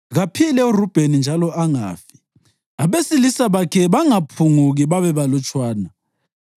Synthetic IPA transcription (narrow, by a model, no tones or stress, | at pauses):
ɣapʰilɛurub̥ʱenind͡ʒʱalɔʔaŋa̰ːfi̥ | aβesilisaβakʰɛβaŋapʰuŋuɣiβaβɛβalɔt͡ʃʼwaːna